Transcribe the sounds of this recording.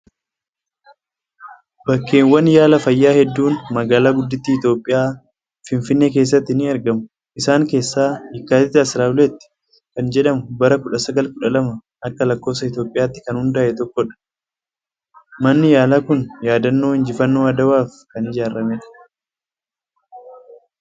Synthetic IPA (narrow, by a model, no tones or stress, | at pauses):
bɐkːeːŋwɐnjaːlɐfɐjːaːhɛd̪ːuːnmɐɡaːlaːɡʊd̪ːɪt̪ːiːt̪o̞ːpʼːɪjaː | fɪnfɪnːeke̞ːs̬ːɐt̪ːɪnːɪɐɾɡɐmʊ | ʔɪsaːŋke̞ːsːaːhɪkːaːt̪ɪt̪ːɪɐsɾaːwlet̪ːɪ̥ | kɐnd͡ʒɛᶑɐmʊbɐɾɐkʊᶑɐsɐɡɐlkʊᶑɐlɐmɐ | ʔɐkːɐlɐkːo̞ːsɐɪt̪jo̞ːpʼɪjaːt̪ːɪ̥kɐnhʊnd̪aːʔɛt̪ɔkːɔᶑɐ̥ | mɐnːɪjaːlaːkʊnjaːd̪ɐnːo̞ːhɪnd͡ʒɪfɐnːo̞ːɐd̪ɐwaːfkɐnɪd͡ʒaːɾːɐmɛᶑɐ̥